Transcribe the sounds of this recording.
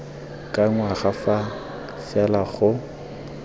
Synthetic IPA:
kʼaŋwaχafa | fɛlaχʊ

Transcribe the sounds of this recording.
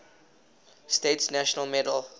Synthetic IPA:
stetsnæʃənəlˠmɛdəlˠ

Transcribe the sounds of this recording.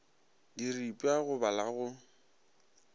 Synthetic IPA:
diripʼaɣʊbalaɣʊ

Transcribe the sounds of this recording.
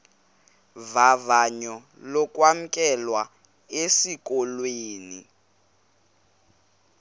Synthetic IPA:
vavaɲɔ | lɔkʼwam̩kʼɛlwa | esik̬ʼɔlweːnḭ

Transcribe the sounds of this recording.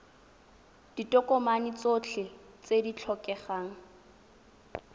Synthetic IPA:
d̥itʼɔkʼɔmanit͡sot͡ɬʰɪ | t͡sedit͡ɬʰɔkɛχaːŋ̩

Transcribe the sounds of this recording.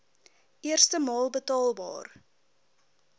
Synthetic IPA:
iərstəmɑːlˠbətɑːlˠbɑ̰ːr

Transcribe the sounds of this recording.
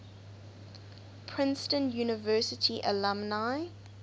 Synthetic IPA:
pʰɹɪ̃nstə̃njuːnɪvɜːˑsɪtʰiʔə̰lãmnaɪ

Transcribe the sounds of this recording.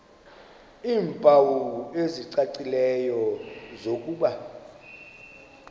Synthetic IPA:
iːmpʼawueziǀaǀilɛjɔzok̬ʼuːɓa

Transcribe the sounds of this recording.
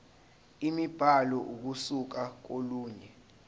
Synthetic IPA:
imib̥ʱalɔʔuk̬usuk̬ak̬oluːɲɛ

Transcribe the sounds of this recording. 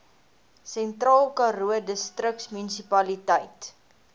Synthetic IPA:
sɛntrɑːlˠkɑɾuədəstrəksmynisipɐlitəjt

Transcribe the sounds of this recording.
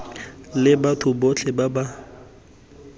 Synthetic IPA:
lɪbatʰʊbot͡ɬʰɛbaba

